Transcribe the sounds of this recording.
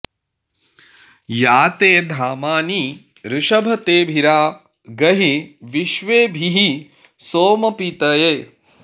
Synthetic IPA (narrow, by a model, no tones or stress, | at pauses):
jaːt̪eːd̪ʱaːmaːni | ɾɪʃɐbʱɐt̪eːbʱiɾaː | ɡɐɦiʋiʃʋeːbʱiɦi | soːmɐpit̪ɐjeː